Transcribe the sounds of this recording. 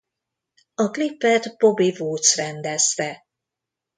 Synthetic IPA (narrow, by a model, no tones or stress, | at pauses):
ɒklipːɛt̪bobivoːt̪srɛnd̪ɛst̪ɛ